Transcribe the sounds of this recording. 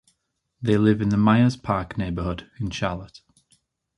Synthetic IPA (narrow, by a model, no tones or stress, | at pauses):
ðeɪlɪvɪ̃nðəmaɪəz̥pʰɑˑkneɪbəhʊdɪ̃nʃalət